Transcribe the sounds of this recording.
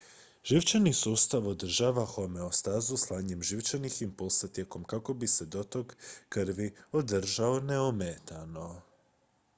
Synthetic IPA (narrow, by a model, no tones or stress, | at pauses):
ʒ̥iʋt͡ʃanisuːst̪aʋo̞d̪r̩ʒaʋaxo̞me̞ost̪aːzuslˠaːɲe̞mʒiʋt͡ʃaniximpulˠsat̪jeko̞mkako̞bise̞d̪o̞t̪o̞ɡkrʋio̞d̪r̩ʒaone̞omet̪ano̞